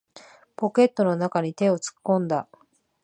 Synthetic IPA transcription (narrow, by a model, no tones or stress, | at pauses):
po̞ke̞t̪ːo̞no̞nakaɲ̟it̪e̞o̞t͡sɨ̥kːõ̞nd̪a